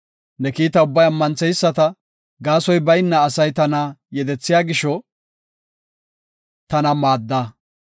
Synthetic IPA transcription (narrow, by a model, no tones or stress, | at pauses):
nɛkiːt̪ɐʊbːɐjɐmːɐnt͡sɛjsːɐt̪ɐ | ɡaːsɔjbɐjɪnːɐːsɐjt̪ɐnɐjɛd̪ɛt͡sːɪjaːɡɪʃɔ | t̪ɐnɐmaːd̪ːa